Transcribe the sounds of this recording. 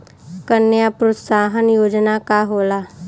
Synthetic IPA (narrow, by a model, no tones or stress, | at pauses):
kənːjapɾot̪saːɦənjoːd͡ʒnakaɦoːla